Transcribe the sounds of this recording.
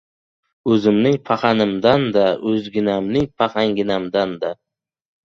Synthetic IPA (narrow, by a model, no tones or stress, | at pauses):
ɵzɪmnɪŋpʰaχɑnɪmd̪and̪aʔɵzɡʲɪnamnɪŋpʰaχaŋɡʲɪnamd̪and̪a